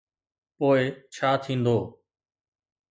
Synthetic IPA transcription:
poːɪt͡ʃʰaːt̪ʰĩːnd̪oː

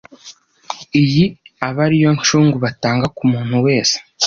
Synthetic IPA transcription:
ijiaβaɾijo̞nt͡ʃuːŋɡuβataːŋɡakumuːn̥huwe̞ːse̥

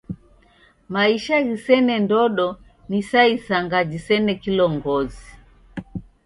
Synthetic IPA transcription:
maiʃaɣisɛnɛndɔɗɔ | nisaisaŋɡad͡ʒisɛnɛkilɔŋɡɔzi

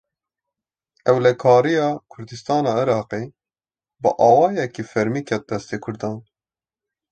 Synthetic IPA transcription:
ɛwlɛkʰɑːɾijɑːkʰʊɾd̪ɨst̪ɑːnɑːɪɾɑːqeː | bɨʔɑːwɑːjɛkifɛɾmiːkʰɛt̪̚d̪ɛst̪eːkʰʊɾd̪ɑːn

